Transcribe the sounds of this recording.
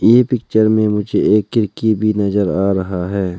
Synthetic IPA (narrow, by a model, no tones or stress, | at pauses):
jeːpɪkt͡ʃəɾmẽmʊd͡ʒʱeeːkːɪɾkibʱinɐzəɾaːɾɐɦaɦɛː